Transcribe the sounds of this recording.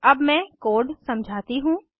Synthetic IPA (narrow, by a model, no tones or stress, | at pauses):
ɐbmɛ̃koːɖsɐ̃md͡ʒʱaːt̪iɦũː